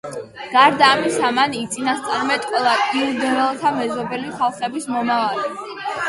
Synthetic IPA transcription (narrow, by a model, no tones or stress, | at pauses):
ɡ̥aɾd̪aːmisamanit̪sʼinast̪sʼaɾmɛt̪ʼkʼwɛlˠaiɾd̪ɔɛlˠt̪ʰamɛzɔbɛliχalˠχɛbismɔmavali